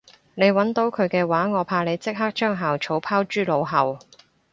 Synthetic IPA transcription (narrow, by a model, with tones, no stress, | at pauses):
ne˨˧jwɐ˨˥nt̪o˨˧wkʰɵ˨˧ɥkɛː˧waː˨˥ŋɔː˨˧pʰaː˧le˨˧jt͡sɪ˥k̚ɦa˥k̚t͡ʃœː˥ŋɦaː˨wt͡ʃʰo˨˥wpʰaː˥wt͡ʃyː˥˩lo˨˧wɦɐ˨˩w